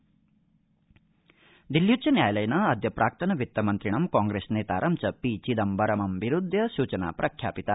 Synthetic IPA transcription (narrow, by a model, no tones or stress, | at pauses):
d̪iljutːt͡ʃɐnjaːjɐlɐjɐnɐːd̪jɐpɾʔaːk̚t̪ʰɐnɐʋit̪ːɐmɐnt̪ɾiɳɐmkãːŋɡɾeːsneːt̪aːɾʔɐmt͡ʃɐpiːt͡ʃid̪ɐmbɐɾɐmɐmʋiɾud̪ʱjɐʃuːt͡ʃɐna̰ːpɾʔɐkʰjaːpit̪a